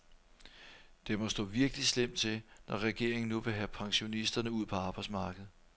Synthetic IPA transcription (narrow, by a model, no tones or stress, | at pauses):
d̥e̝mɒ̽sd̥ɔ̰̽ːʋiɐɡ̥əlislem̰d̥t͡sʰe̝nʔɒʁɛɡ̥e̝ɐ̰e̝ŋn̩nuʋe̝ɦæpʰɑ̈ŋɕo̝nisd̥ɐnəuð̰ˠpʰɒ̽ɑ̈ːb̥ɑ̈ɪsmɑ̈ːɡ̥əð̞̩ˠ